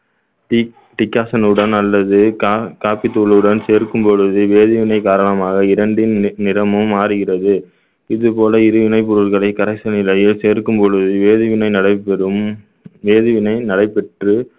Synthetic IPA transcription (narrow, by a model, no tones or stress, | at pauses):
ʈ | ʈɪkːaːsɐnɯɽɐnɐlːɐðɯkaːpit̪ːuːɭɯɽɐnseːɾkɯmpɔɻɯðɯʋeːðɯʋɪnɐɪkaːɾɐɳɐmaːɣɐɪɾɐɳɖɪnnɪɾɐmɯmːaːɾɯɣɪrɐðɯ | ɪðɯpoːlɐɪɾɯʋɪnɐɪp̬ːɔɾɯɾɣɐɭɐɪkɐɾɐsɐnɪlɐjɪlseːɾkɯmpɔɻɯðɯʋeːðɯʋɪnɐɪnɐɽɐɪpːɛɾɯm | ʋeːðɯʋɪnɐɪnɐɽɐɪpɛʈrɯ